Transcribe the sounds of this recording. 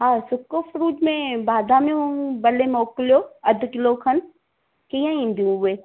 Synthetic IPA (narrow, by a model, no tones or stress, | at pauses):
ɦãːsʊkːofʰɾuːʈmẽbaːd̪aːmẽũbɐlemoːkljoːɐd̪kɪlokʰɐn | kijãĩnd̪iũeː